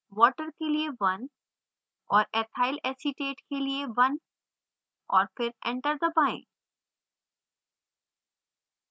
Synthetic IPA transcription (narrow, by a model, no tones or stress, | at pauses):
wɔʈəɾkeliebɐn | ɔɾɛt̪ʰajlɛsiʈeʈkelieʋɐn | ɔɾpʰeɾɛ̰̃ɳʈəɾd̪əbãɪ̃ɳ